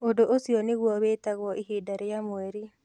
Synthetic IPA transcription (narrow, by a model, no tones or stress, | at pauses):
odoʔosionɪɣwɔβetaɣwɔʔiɦidaɾejamweɾi